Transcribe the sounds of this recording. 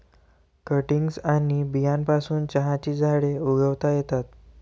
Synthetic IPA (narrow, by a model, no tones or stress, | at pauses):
kəʈiŋɡsanibijanpasuːnt͡ɕəɦãt͡ɕiːd͡zʱaɽeuɡəʋt̪ajet̪at̪̚